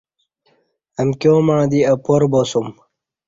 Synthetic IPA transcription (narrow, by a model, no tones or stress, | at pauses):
ɐmkjoːmãːd̪iɐpoɾboːsum